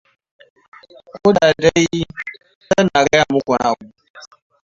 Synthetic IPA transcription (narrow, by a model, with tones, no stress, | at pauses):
kʷʊ˦ɗa˨da˦j | sa˦na˨ɡa˦ja˨mʊ˦kʷo˨na˦˨a˨bu˦